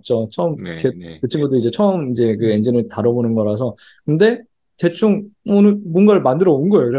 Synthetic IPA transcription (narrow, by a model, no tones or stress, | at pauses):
t͡ɕ͈ot͡ɕʰʌɯmkekɯt͡ɕʰɯnɡʌtd͈ɯid͡ʑe̞t͡ɕʰʌɯmid͡ʑe̞kɯend͡ʑinɯɭtaɾʌbonɯnɡʌɾas̬ʰʌ | kɯnde̞ | te̞t͡ɕʰuŋʌnɯɭbonɡaɭmandɯɾʌoɯnɡʌjokɾe